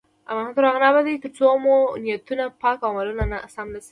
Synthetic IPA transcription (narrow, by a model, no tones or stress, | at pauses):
a̰mahat̪əɾɑɣnɑbad̪ajt̪əɾt͡somonijat̪unapɑkawmalunanasamlas